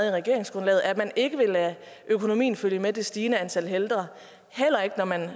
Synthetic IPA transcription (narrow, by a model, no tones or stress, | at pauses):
ð̩ˠiʁaɡ̥e̝ɐ̰eŋsɡ̥ʁɔnlɛ̰ːð̩ˠæmæne̝ɡ̥əʋe̝læ | ʔøkʰo̝no̝mḭːn̩føljəmed̥e̝sd̥iːnəænt͡sʰæl̰ɦeld̥ʁɐ | hel̰ɐe̝ɡ̥ənɒmæn